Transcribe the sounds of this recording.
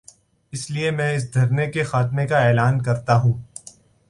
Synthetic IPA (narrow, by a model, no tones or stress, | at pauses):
ɪsliemɛ̃ːɪs̬d̪ʱɐɾnekexaːt̪mekaɛːlaːnkɐɾt̪aɦũː